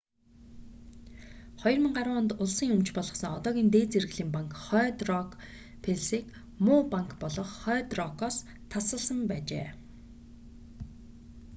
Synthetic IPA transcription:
χɔjɞ̆rmə̆ŋɢaɾwʊːnt̪ʊɮsĭŋɵmt͡ɕpɔɮʁɞ̆χsə̆ŋɔt̪ɔːɣʲiːnt̪eːt͡ser̆ɣɮiːmpaŋkχœːt̪rɔk | pʰeɮsiːk | mʊːpaŋkpɔɮɞ̆χχœːt̪rɔkɔːs | t̪ʰːasə̆ɮsə̆mpæːt͡ɕḛː

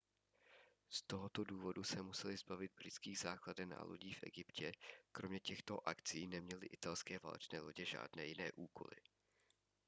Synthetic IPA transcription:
st̪o̞ɦot̪oduːvo̞dusɛmusɛlɪzbavɪd̪̚bɾɪt͡skiːɣzaːkladɛna̰lo̰ɟiːfʔɛ̰ɡɪpcɛkɾomɲɛcɛxt̪o̞ʔakt͡siːnɛmɲɛlɪʔɪt̪alskɛːva̰ːlɛ̰t͡ʃnɛːlo̞ɟɛʒa̰ːdnɛːjɪnɛːʔuːkʰo̞̰lɪ̰

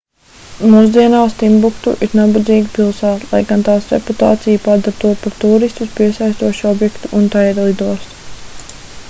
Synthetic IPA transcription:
muːzd̪iɛnaːst̪imbukt̪uʔiɾnabad̪ziːɡipilˠsaːt̪lˠa̰jɡant̪aːsɾḛput̪a̰ːt̪sijupad̪aɾt̪uɔpaɾt̪uːɾist̪uspiɛsajst̪uɔʃiɔbjɛkt̪uʔːnt̪ajɛɾlˠid̪uɔs

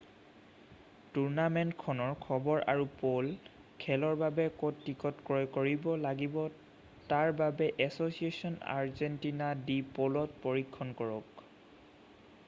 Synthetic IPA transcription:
tuɹnamentkʰɔnɔɹkʰɔbɔɹʔa̰ɹupol | kʰɛlɔɹbabɛkotːikɔtkɹɔjkoɹibɔlaɡibɔ | taɹbabɛʔɛsosiesɔna̰ɹzɛntinadipolɔt̚pɔɹikʰːɔnkɔɹɔk

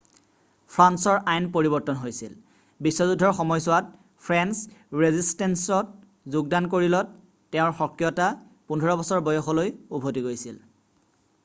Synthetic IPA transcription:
pʰɹansɔɹʔajnpoɹibɔɹtɔnɦojsḭl | bisːɔzudʱɔɹxɔmɔjsʊwat̚ | pʰɹɛnsɹezistɛnsɔt̚ | zuɡ̚dankoɹilɔt | tːɛʊ̃ɹxɔkijɔta | pundʱɔɹɔbɔsɔɹbɔjɔxɔlojubʱotiɡojsil

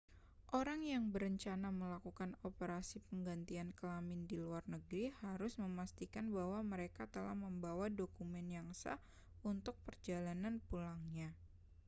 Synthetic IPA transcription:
ʔoɾaŋjaŋbəɾəɲt͡ʃanaməlakukanopəɾasipəŋɡant̪iankəlamɪndiluarnəɡɾihaɾʊsməmast̪ikanbawaməɾekat̪əla̰hməmbawadokumɛnjaŋsa̰h | unt̪ʊk̚pərd͡ʒalananpulaŋɲa

